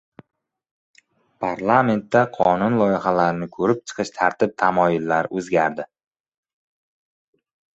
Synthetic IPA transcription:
pʰaɾlˠame̞nt̪ːaqʰɒnʊnlˠɒjɪχalaɾɪnɪkʰɵɾɪp̚t͡ʃʰɨ̥qʰɨʃt̪ʰaɾt̪ʰɪp̚t̪ʰamɒjɪlːaɾɵzɡʲaɾd̪ɪ

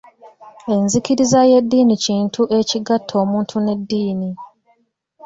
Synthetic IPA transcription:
e̞nzikiɾizaje̞dːiːniciːntʰuʔe̞ciɡatʰːo̞ːmuːntʰune̞dːiːni

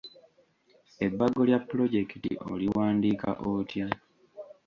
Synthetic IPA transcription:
e̞bːaɡo̞ljapːlo̞ɟe̞kitḭʔo̞̰liwwaːndiːka̰ʔotja

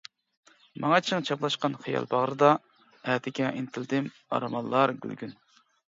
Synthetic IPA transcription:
mɑŋɑt͡ʃʰɪŋt͡ʃʰɑplˠɑʃqɑnχijɑ̰lˠbɑʁɾɨd̪ɑ | æd̪ɪkʲɛʔint̪ʰɪld̪ɪm | ɑ̰ɾmɑlˠːɑɾɡʲy̰lɡʲyn

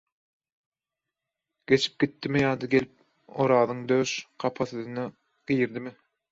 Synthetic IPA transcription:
ɡ̥e̞t͡ʃʰi̥p̚ɡ̥ʲit̪ːimijɑːd̪ɑɡe̞lip̚ | o̰ɾɑːðɯŋd̪øːʃqʰɑpʰɑθɯðɯnɑ | ɡ̥ijɾd̪imɪ

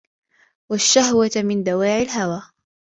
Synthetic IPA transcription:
waʃːahwatmɪnd̪awaːʕɪlɦawaː

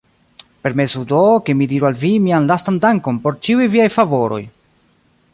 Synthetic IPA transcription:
pe̞ɾme̞sudokemidiɾualvimianlastandaŋko̞npo̞ɾt͡ʃiujviajfavo̞ɾo̞̰j

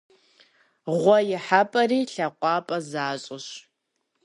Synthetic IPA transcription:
ʁʷɔjɪħapʼɐriːɬɐqʷʼɑːpʼɐzaːɕʼɪɕ

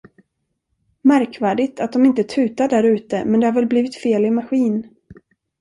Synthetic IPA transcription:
mæɾkvæːɖɪɡt̪at̪̚d̪ɔmɪnt̪ət̪ʰʉ̟ːt̪aɖæɾʉ̟ːt̪əmɛnd̪ɛhaɾvɛlbliːvɪt̪feːlɪmaɧiːn

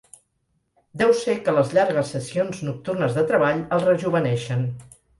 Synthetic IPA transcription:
d̪ɛwsekələzʎaɾɣ̞əsːəsionznuk̚t̪urnəzðət̪ɾəβaʎəlˠrəʒuβənɛʃən

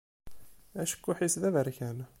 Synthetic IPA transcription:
æʃə̥kːuħisðævəɾçæn

